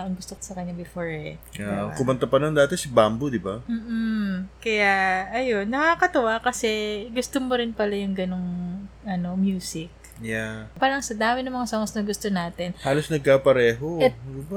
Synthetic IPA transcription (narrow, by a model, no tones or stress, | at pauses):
ʔɐŋɡʊst̪oko̥sɐkɐɲːabɪfoɹhɛ̰akʊmɐnt̪ɐpɐnɐŋd̪aːt̪ɛsɐbambod̪ɪbam̩ːʔ̩kːɐjaɐjo̞nːɐkaːkɐt̪ɐʔakɐsɛɡʊst̪omoɾɪnpɐlajʊŋɡɐno̞ŋʔɐno̞mjuːsɪk̚ | japalɐŋsɐd̪aːmɪnɐmɐŋasoŋsnɐɡʊst̪onaːt̪ɪnhaːlosnɐɡ̚kapɐɾɛːɦo̞ɛd̪ɪba